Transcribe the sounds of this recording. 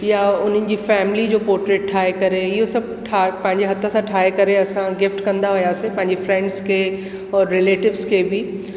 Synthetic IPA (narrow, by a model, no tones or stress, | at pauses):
jaʊn̤ənɪ̆d͡ʑiːfɛːmɪlid͡ʑoːpɔːɾʈɾeːʈ̚ʈʰaːekɐɾeɪɦosɐb̚ʱʈʰapɐ̃ɦɪ̃ɲd͡ʑeɦɐt̪ʰãsãʈʰaːekɐɾeɐsãɡɪfʈkɐ̃nd̪aɦʊjasepɐ̃ɦɪ̃ɲd͡ʑefɾɛ̃ɳɖzke | ɔːɾːɪleːʈɪʋzkebi